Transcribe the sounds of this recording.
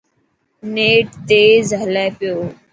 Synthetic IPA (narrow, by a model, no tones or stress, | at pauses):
neːʈt̪eːzɦəlaːpɪjoː